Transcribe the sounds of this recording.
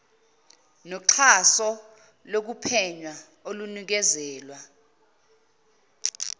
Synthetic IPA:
nɔǁʰasɔ | lok̬upʰɛɲwa | olunik̬ɛzɛːlwa

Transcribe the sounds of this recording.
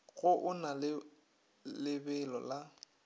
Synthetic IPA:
ɣʊʔʊnalɪ | lɪbɛlɔla

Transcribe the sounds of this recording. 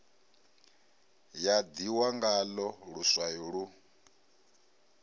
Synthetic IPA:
jad̪iwaŋɡalɔɺuswajuɺu

